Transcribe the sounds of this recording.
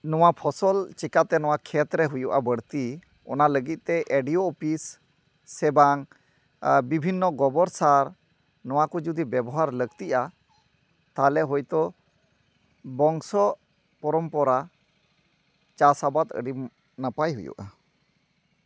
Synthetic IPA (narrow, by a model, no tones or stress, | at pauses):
nɔwapʰɔsɔlt͡ʃikat̪ɛnɔwakʰɛt̪ɾɛɦujuʔabəɽt̪i | ɔnaləɡit̪̚ˀt̪ɛʔeɖioːpʰis | ɛbaŋ | bibʱinːɔɡɔbɔɾsaɾ | nɔwakɔd͡ʒud̪ibɛbɔɦaɾləɡt̪iʔa | t̪alɛɦɔjt̪ɔ | bɔŋsɔʔ | pɔɾɔmpɔɾa | t͡ʃasabat̪ə̰ɖim | napajɦṵjṵʔa